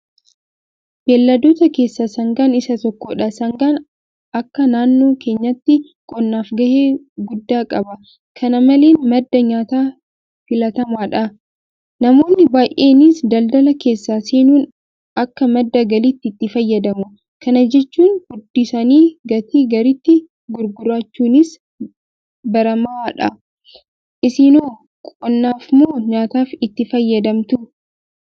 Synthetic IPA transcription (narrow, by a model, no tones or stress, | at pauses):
b̥eːlːɐd̪oːt̪ɐke̞ːsːaːsɐŋɡaːnɪsɐt̪ɔkːoᶑɐsɐŋɡaːn | ɐkːɐnaːnːo̞ːkʰe̞ːɲːɐt̪ːɪ | kʼɔnːaːfɡɐheː | ɡʊd̪ːaːkʼɐbɐ | kʰɐnɐmɐle̞ːnmɐd̪ːɐɲaːt̪aː | fɪlɐt̪ɐmaːᶑɐ | nɐmo̞ːnːɪbaːjʔeːnisd̪ɐld̪ɐlɐke̞ːsːaːseːnuːn | ɐkːɐmɐd̪ːɐɡɐlit̪ːɪːt̪ːɪfɐjːɐd̪ɐmʊ | kɐnɐd͡ʒɛt͡ʃːuːnhʊd̪ːɪsɐniːɡɐt̪ʰiːɡɐɾɪt̪ːɪ | ɡʊɾɡʊɾaːt͡ʃːuːnɪs | bɐɾɐmɐaːᶑɐ | ʔɪsɪnoː | kʼɔnːaːfmoːɲaːt̪aːfɪt̪ːɪfɐjːɐd̪ɐmt̪ʊ